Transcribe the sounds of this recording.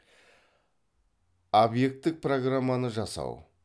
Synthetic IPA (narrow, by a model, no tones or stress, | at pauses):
obje̞k̚t̪ːɪk̚pro̞ɡramːanəʒɑsɑ̰w